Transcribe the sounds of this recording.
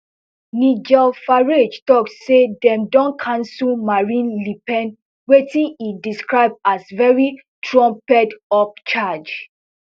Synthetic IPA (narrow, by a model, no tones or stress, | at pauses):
nid͡ʒɛfaɹed͡ʒtɔksedɛ̃mdɔ̃nkʰãnsulmaɹĩnlipɛ̃n | wetĩnidiskɹaɪb̚asvɛɹi | tʰɹɔ̃mpɛdɔp̚t͡ʃad͡ʒ